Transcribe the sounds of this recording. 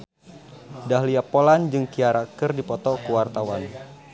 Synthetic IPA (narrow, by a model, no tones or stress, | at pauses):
dahliapoland͡ʒɨŋkiaɾakɨrdipɔt̪ɔkuwart̪awan